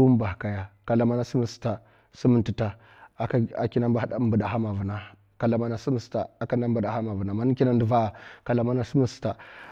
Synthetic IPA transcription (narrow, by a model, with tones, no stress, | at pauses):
u˦m˦ba˨ka˨ja˨ka˨la˨ma˦na˦si˦mə˨sta˨ | si˦mə˨nti˨ta˨˦ | a˨ki˦na˦ba˦mbə˨da˨ha˦ma˨vu˨na˦ | ka˨la˨ma˦na˨si˦mi˨sta̰˨a˨ka˦na˦mbu˨da˨ha˦ma˨və˨na˨ma˨˦n˦ki˦na˦ndu˨va˦˨ka˨la˨ma˦na˦si˦mi˦sta˨